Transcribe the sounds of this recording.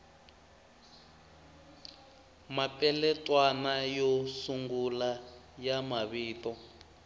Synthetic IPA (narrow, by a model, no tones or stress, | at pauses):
mapʼɛlɛtʼwanajɔsuŋɡula | jamaβiːtɔ